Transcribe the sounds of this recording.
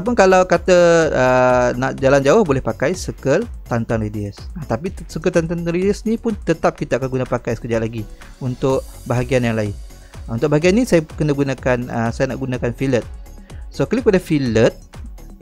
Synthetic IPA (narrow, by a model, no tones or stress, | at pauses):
ap̬unkalawkat̪əənaʔd͡ʒaland͡ʒaʊhbolɛhpakajsəkəlt̪ant̪anridiəsat̪apisəkəlt̪ant̪ant̪anɾidiəsnĩpʊnt̪ət̪ap̚kit̪aakanɡunapakajsə̥kəd͡ʒat̪̚laɡi | unt̪ʊk̚ | baɦaɡianjaŋlaɪn | unt̪ʊʔ̚baɦaɡianːĩsajakənaɡunakanəsajana̰ʔɡunãkanfilət̪̚ | sokəlikəpadafilət̪̚